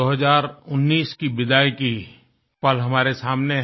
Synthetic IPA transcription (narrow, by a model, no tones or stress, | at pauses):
oːɦəzaːɾʊnːiːskibɪd̪aːjki | pəlɦɐmaːɾesaːmne